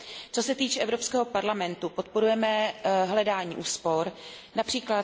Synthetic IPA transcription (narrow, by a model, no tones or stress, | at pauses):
t͡so̞sɛt̪iːt͡ʃɛɛvɾo̞pskɛːɦo̞paɾlamɛnt̪upo̞t̪po̞ɾujɛmɛɦlɛdaːɲḭːʔuːspo̞ɾ | napr̝̥iːkla